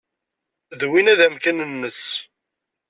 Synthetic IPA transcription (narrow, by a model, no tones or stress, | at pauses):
ðwinæðæmkænənːəs